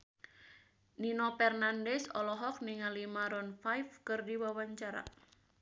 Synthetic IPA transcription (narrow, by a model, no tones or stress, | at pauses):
ninopɛrnandɛsɔlɔɦɔk̚niŋalimaɾɔnfajfkɨrdiwawaɲt͡ʃaɾa̰